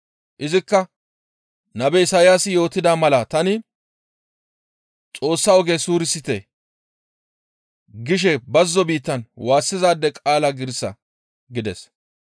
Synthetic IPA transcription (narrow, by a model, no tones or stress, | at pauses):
ʔɪzɪkːɐ | nɐbɛɪsaːjaːsɪjo̞ːt̪ːɪd̪aːmɐlɐt̪ɐnɪ | t͡sʼo̞ːsːɐɔɡesuːɾɪsɪt̪ɛ | ɡɪʃ̬ɛbɐzːɔbiːt̪ːɐnwaːsːɪzaːd̪ːɛkʼaːlɐɡɪɾsɐ̰ | ɡɪd̪ɛs